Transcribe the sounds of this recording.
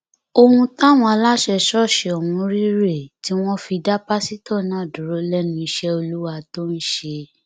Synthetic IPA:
o˧hũ˧ta˦˨w̃ɔ̃˧a˧la˦ʃɛ˧ʃɔ˦˨ʃe˨ɔ˨wũ˧˦ɾi˦ɾe˦˨ti˦w̃ɔ̃˦fi˧da˦pa˦si˦tɔ˦˨nãː˨˦˨dũ˨ɾo˨˦lɛ˦nũ˧˦i˧ʃɛ˦o˧lu˦wa˧to˦n̩˦ʃe˧

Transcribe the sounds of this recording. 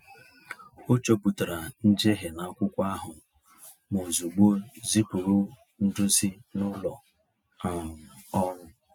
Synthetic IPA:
o˦t͡ʃo˦pu˨ta˨ɾa˨n̩˦d͡ʒe˦ɦe˨na˨kʷʊ˦kʷa˦ɦʊ˨ | mo˨zu˨ɡ͡bo˦zi˦pu˨ɾu˦ | n̩˦dʊ˦zi˦nʊ˦lɔ˨ | a˨ɔ˦ɾʊ˦

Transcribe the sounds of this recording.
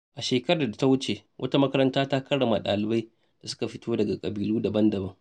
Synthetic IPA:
ʔa˨ʃeː˨kɐ˦ɾa˨da˨ta˦wʊ˦t͡ʃe˨wʔɐ̰˦ta˦mɐ˦kɐ˦ɾɐ˦ntaː˦taː˦kɐ˦ɽɐ˨ma˨ɗa̰ː˨lɪ˨ba˦j | d̥a˨sʊ̥˦ka˨ɸɪ˦tʰoː˦dɐ˨ɡa˨kʼɐ˨biː˨luː˦dɐ˨bɐ˦ndɐ˨bɐ˦ŋ

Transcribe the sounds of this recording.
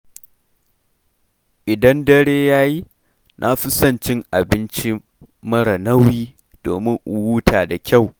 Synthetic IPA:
ʔɪ˨dɐ˦ndɐ˦ɽeː˦jaː˦ji˦ | nʔa˦ɸɪ˦sɐ˦˨nt͡ʃɪ˦ŋʔa˨bɪ˦nt͡ʃi˦ | mɐ˦ɽɐ˨nɐ˦wjiː˦ | d̥o̰ː˨mɪ˦ŋʔʊ˨wuː˦tʰaː˨da˨kʲa˦˨w

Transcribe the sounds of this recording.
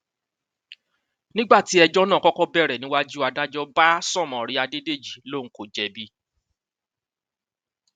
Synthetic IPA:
nĩ˦ɡ͡ba˦˨ti˨˦ɛ˧d͡ʒɔ˦nãː˦˨kɔ˦kɔ˦bɛ˦˨ɾɛ˨nĩ˦wa˦d͡ʒu˦a˧da˦d͡ʒɔ˦ba˦sɔ̃˦˨mɔ̃˨ɾi˧˦a˧de˦de˦˨d͡ʒi˨lo˦˨ŋ̩˨˦ko˨d͡ʒɛ˨bi˦

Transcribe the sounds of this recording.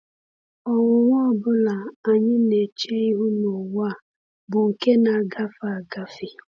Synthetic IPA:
ɔ˨ŋʊ˨ŋʷɔ˦˨bʊ˦la˨a˨ɲɪ˦ne˨t͡ʃe˦i˦ɦʊ˦no˨wa˦˨ | bʊ˨ŋ̩˨ke˦na˨ɡa˦fa˨a˨ɡa˦fi˨

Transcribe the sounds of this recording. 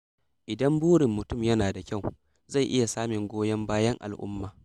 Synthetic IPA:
ʔɪ˨dɐ˦mbuː˦ɽɪ˨mːʊ˨tʊ˦˨mjɐ˦naː˨da˨kʲa˦˨w | za˦˨jʔɪ˦ja˨saː˦mɪ˨ŋɡʷoː˦jɐ˦mbaː˦jɐ˦ŋʔa̰˨lʔʊ̰˦mːaː˨

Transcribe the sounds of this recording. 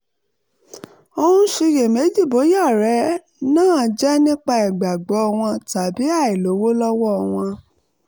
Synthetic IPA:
o˧hũ˧ʃi˧je˨me˨˦d͡ʒi˦˨bo˨˦ja˦˨ɾɛ˨˦ | nãː˦˨d͡ʒɛ˦nĩ˦k͡pa˧i˨ɡ͡ba˨ɡ͡bɔ˨˦ɔ˧w̃ɔ̃˧ta˨bi˨˦a˦˨i˨lo˨˦wo˦lɔ˦wɔ˦˧w̃ɔ̃˧

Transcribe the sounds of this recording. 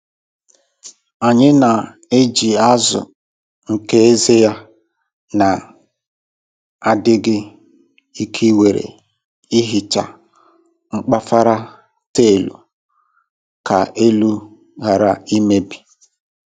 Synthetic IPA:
a˨ɲɪ˦na˨ | e˦d͡ʒi˨a˦zʊ̰˨ | ŋ̩˨ke˦e˦ze˦ja˦ | na˨ | a˦dɪ˦ɡɪ˦ | i˦kʰi˦we˨ɾḛ˨ | i˦ɦi˨t͡ʃa˨ | ŋ͡m̩˦k͡pa˦fa˦ɾa˦ | te˦˨lṵ˨ | ka˨ʔe˦lu˦ | ɣa˨ɾa˨i˦me˦bi̥˨

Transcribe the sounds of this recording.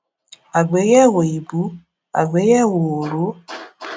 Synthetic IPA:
a˨ɡ͡be˨˦ɣɛ˦˨wo˨i˨bu˨˦ | a̰˨ɡ͡be˨˦jɛ˦˨wo˨o˨ɾo˨˦

